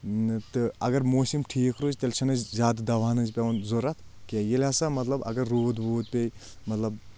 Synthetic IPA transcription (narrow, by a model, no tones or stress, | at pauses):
t̪ɨɐɡɐɾmoːsimʈʰiːkɾoːzʲt̪elʲt͡ʃʰɐnɐzzʲaːd̪d̪ɐʋaːnɐzpʲeʋɐnzoɾɐt̪ʰkejelʲaːsɐmɐt̪lɐbɐ̰ɡɐɾːuːd̪buːt̪̚pʲej | mɐt̪lɐb